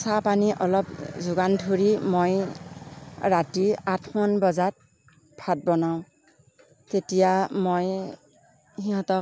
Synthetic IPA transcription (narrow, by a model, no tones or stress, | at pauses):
sapaniʔɔlɔp̚zʊɡandʱuɹimoj | ɹatiatʰmɔnbɔzat̚ | pʰat̚bɔnaʊ̃ | tetijamoj | hiɦɔ̃tɔ